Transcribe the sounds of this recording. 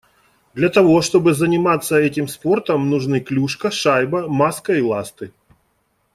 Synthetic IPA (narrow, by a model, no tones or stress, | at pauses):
d̪lʲɐt̪ɐvo̞ʂt̪o̞bɨzənʲɪmat̪sːəɛtʲɪmspo̞rt̪əmnʊʐnɨklʲuʂkɐʂajbɐmaskɐilˠast̪ɨ